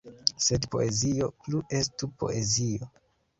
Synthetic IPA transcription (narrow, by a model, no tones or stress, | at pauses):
se̞dpo̞̰e̞zio̞pluʔe̞stupo̞̰ʔe̞zio